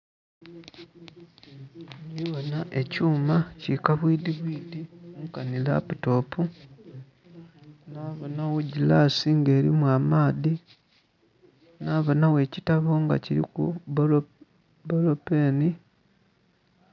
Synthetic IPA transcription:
ɲiβonaʔe̞cuːmacikaβwiːdiβwiːdiuŋkanila̰puto̞ːpu | naːβonawoɟilaːsiŋɡe̞ːɾḭmwaːmaːði | naːβo̞nawe̞ːcitaβo̞ŋɡa̰ciɾḭkṵ | bolopeːni

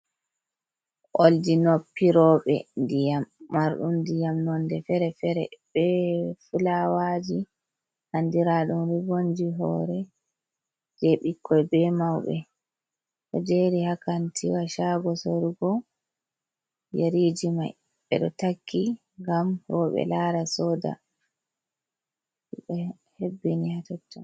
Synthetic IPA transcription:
ʔoldinopːiɾɔːɓɛ̰ndijamːaɾɗumdijamnɔndɛfɛɾɛfɛɾɛ̰ɓɛfulawad͡ʒi | handiɾaɗumɾiɡond͡ʒiɦɔ̰ːɾɛ | d͡ʒeɓikːɔɛbɛmawɓɛ̰ | ɗɔ̰d͡ʒeɾihakantʰiwaʃaɡɔsoɾuɡɔ | jeɾid͡ʒima̰j | ɓɛ̰ɗɔtakʰːi | ŋɡamɾɔɓɛ̰laɾasɔːda̰ | ɓɛ | hebːinihatɔtːɔm

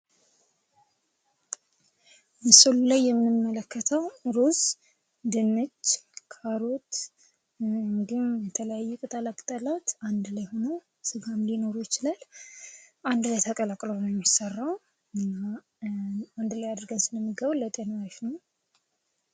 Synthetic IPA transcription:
mɨsɨlulajːɛmːɨnɨmːələkʰːət̪ʰəwɾoz | d̪ɨnːɨt͡ʃːkʰaɾo̞t̪ | ŋɡɨmjɛt̪ʰələjajːukʼɨt̪ʼalakʼt̪ʼəlat̪and̪lajho̞now | sɨɡamlino̞ɾojɪt͡ʃɪlal | ʔand̪lajt̪ʰəkʼəlakʼlonəwjɛmjɪsːərːaw | ɨnːa | and̪lajad̪ɾɡəwsɨləmːiɡəβlːət̪ʼenwaʃnəw

